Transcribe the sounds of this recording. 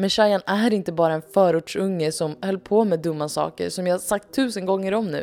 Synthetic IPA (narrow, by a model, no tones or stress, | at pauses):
mɛnʂajanæɾɪnt̪əbɑːɾaɛnfœːɾuːʈʂɵŋːəsɔmhœlːpʰoːmɛːd̪ɵmːasɑ̰ːkə̰ɾsɔmjahasak̚t̪ʰːʉ̟ːsənɡɔŋːəɾɔmnʉ̟ː